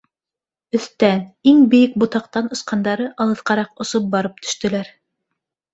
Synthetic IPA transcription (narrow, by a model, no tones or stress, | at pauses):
ɵ̆θt̪æniŋbɘ̆jɘk̚bŏt̪ɑqt̪ɑnŏsqɑnd̪ɑɾɤʔɑlˠɤ̆θqɑɾɑqŏsop̚bɑɾɤp̚t̪ʰɵ̥̆ʃt̪ɵ̆læɾ